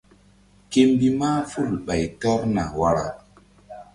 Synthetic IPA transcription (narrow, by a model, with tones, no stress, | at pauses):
ke˦mbi˦maː˦fu˦˨ɾɓa˨jtɔ˦ɾna̰˨wa˨ɾa̰˨